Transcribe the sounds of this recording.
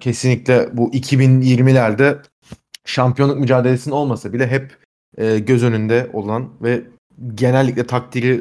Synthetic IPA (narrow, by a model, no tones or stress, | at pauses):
cʰe̞sinlʲicʲlʲɛbuʔicʰibinjiɾmilʲæɾd̪ɛ | ʃampijo̞nˠuk̚myd͡ʒaːd̪elʲe̞sinino̞lˠmasabilʲɛɦɛpː | ɟø̞zø̞nynd̪ɛʔo̞lˠanvɛ | ɟe̞nɛlʲːicʲlʲɛt̪ʰak̚t̪ʰiɾi